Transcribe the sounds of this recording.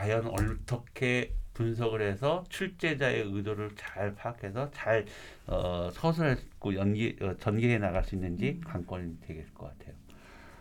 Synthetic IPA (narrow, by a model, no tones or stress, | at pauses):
kajʌnʌɭt͈ʌkʰe̞punsʰʌɡɯɾɦe̞sʰʌt͡ɕʰuɭt͡ɕ͈e̞d͡ʑae̞ɯdoɾɯɭt͡ɕaɭpʰakʰe̞sʰʌt͡ɕaɭ | ʌsʰʌsʰʌɭek͈ojʌnɡiʌt͡ɕʌnɡeɦenaɣaɭs͈uinːɯnd͡ʑikaŋk͈wʌnidwe̞ɡek͈ʌk͈atʰe̞jo